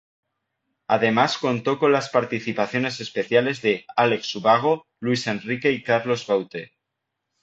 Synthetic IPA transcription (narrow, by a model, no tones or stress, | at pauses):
a̰ðe̞masko̞nt̪o̞ko̞nlaspaɾt̪iθipaθjo̞ne̞se̞spe̞θjale̞zðe̞ale̞ksuβaɣ̞o̞ | lwuise̞nrike̞ikaɾlo̞zβawt̪e